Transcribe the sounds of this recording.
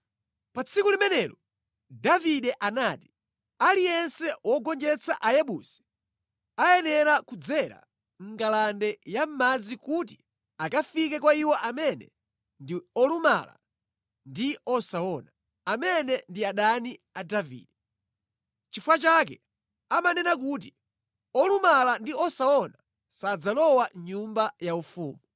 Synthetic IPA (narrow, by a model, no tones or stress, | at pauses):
pat͡sʰikulimɛnɛlɔ | daviɗɛʔanaːti̥ | alijɛnsɛwɔɡɔnd͡ʒɛt͡sʰaʔajɛɓuːsɛ̥ | ajɛnɛɾakud͡zɛɾa̰ | ŋ̩ɡalandɛjam̩mad͡zikut̬i | akafikɛkwaiwɔʔamɛnɛ̰ | ndiɔluma̰la̰ | ndiɔsaɔna | amɛnɛndiaɗaniadavḭːdɛ | t͡ʃifuwat͡ʃakɛ | amanɛnakut̬i | ɔlumalandiɔsaɔna | sad͡zalɔwaɲumbajaufuːmu